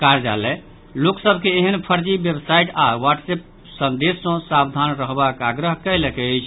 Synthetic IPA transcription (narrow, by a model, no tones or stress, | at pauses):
kaɾd͡ʒa̰lɛ | loksəbʱkeːɦənpʰəɾd͡ʒibjebsaiʈawaʈsep̚ | sənd̪esːə̃sabd̪ʱanɾəɦbakaɡɾəɦkəlekɛəjt͡ʃʰ